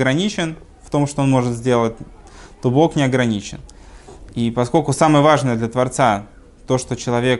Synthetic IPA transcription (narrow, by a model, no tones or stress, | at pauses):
ɡɾɐnʲit͡ɕɪn | ft̪o̞mʂt̪oo̞nmo̞ʐɨt̪zʲdʲe̞lˠət̚ʲ | t̪obo̞knʲɪɐɡɾɐnʲit͡ɕɪ̰n | ipɐsko̞lʲkʊsamɨjəvaʐnɨjəd̪lʲət̪vɐrt̪sa | t̪o̞ʂt̪ot͡ɕɪlˠɐvʲe̞k